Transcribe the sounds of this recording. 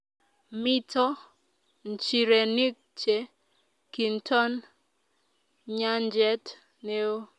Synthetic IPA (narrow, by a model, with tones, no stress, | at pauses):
mi˦tʰɔ˦ | n˨t͡ʃi˨ɾe˨ni˦k̚t͡ʃe˨ | ki˨ntʰɔ˦n | ɲa˦nd͡ʒɛ˦t | ne˦o˦